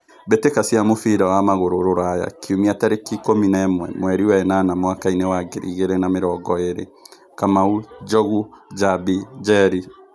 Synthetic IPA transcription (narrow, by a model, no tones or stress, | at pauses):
betekasiamofiɾawamaɣoɾoɾoɾaja̰kʰiumiataɾekikominɛmwɛ̰mwɛɾiwɛnanamwakainewaɡeɾḭɣeɾenameɾɔɡɔeɾḛ | kamaud͡ʒɔɣud͡ʒabid͡ʒɛɾi